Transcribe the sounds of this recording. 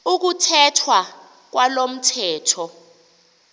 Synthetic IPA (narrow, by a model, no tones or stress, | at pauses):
uk̬utʰɛtʰwa | k̬walom̩tʰɛːtʰɔ